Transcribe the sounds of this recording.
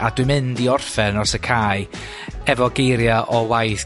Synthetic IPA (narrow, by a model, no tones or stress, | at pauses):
ad̥wɨmɪndiɔrfɛnɔsəkʰaːjɨ | ɛvɔɡejɾjaʔɔwajθ